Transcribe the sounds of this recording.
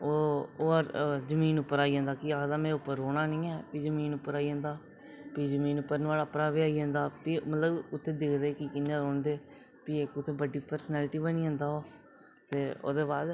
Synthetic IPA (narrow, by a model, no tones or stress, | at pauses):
oːoːəɾzəmiːnʊpːəɾaːiːãːnd̪aːkɪaːkd̪aːmɛ̃ːʊpːəɾoːɽaːnɪ̃ːɛːpiːd͡ʒəmiːnʊpːəɾaːiãːnd̪aː | piːzəmiːnʊpːəɾnʋaːləpnaːbiːaːiːãːnd̪aːpiːmət̪ləbʊt̪ʰːeːd̪eːkʰd̪eːkikɪnːãːɾoːɳd̪eː | piːekʊt̪ʰːeːbəɖiːpəɾsnɛːlʈiːbəniːãːnd̪aːɦoː | t̪eːo̰ːd̪eːbaːd̪